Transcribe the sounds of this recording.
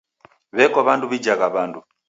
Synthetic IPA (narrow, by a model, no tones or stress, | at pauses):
βɛkɔβanduβid͡ʒaɣaβandu